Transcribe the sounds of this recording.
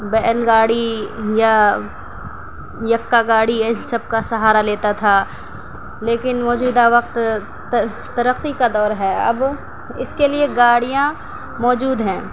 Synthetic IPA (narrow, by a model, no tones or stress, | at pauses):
bɛːlɡaːɽija | jɐkːaɡaːɽisɐb̚kasɐɦaːɾaleːt̪at̪ʰaː | leːkɪnmɔːd͡ʒuːd̪aʋɐq̚t̪ | t̪ɐɾəqːikad̪ɔːɾɦɛːɐ̰b | ɪskelieɡaːɽijã | mɔːd͡ʒuːd̪ɦɛ̃ː